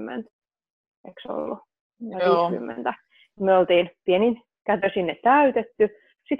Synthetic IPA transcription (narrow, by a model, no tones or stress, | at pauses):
mːḛnt̪ | ekso̰lːu | jɑʋiːsky̰mːḛnt̪æ | myøolt̪iːnpienin | kæt̪øsinːett̪æyt̪et̪ːy | sit̪